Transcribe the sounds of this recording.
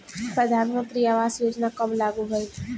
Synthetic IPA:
pɾəd̪ʱanmənt̪ɾiaʋaːsjoːd͡ʒnakəmlaɡuɦoj

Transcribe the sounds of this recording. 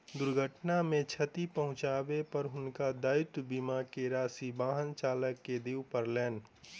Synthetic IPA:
d̪ʊɾɡʱəʈnamẽt͡ʃʰət̪ipəɦʊ̃t͡ʃaːbepəɾɦʊnkad̪aːjʊt̪bimakeɾaːsibaːɦənt͡ʃaːləkːed̪iːwpəɾlɛːn

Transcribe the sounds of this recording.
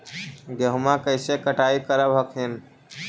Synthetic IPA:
ɡəɦumãkəɪsekəʈaikəɾəbɦəkʰɦin

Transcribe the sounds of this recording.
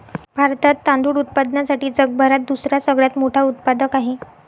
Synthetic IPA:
bʱaɾt̪at̪ːãnd̪uːɽut̪̚pad̪nasaʈiːd͡zəɡ̚bʱaɾat̪̚d̪usɾjasəɡɭjat̪moʈʰaut̪̚pad̪əkaɦe

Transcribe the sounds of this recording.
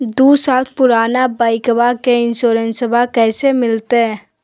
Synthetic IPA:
d̪uːsaːlpʊɾaːnabaːɪkbakeɪnsoːɾənsəbʱakɛːsemɪlt̪eɦɛ̃ː

